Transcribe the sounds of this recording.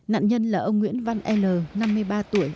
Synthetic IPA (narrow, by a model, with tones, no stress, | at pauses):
na̰ː˧˨nɲə˧nlaː˨˩ʔə˧wŋ͡mŋwḭ˧˥ənva˧nʔɛ˧ləː˨˩na˧mːɨ˧əjɓaː˧t̪u˧˩əj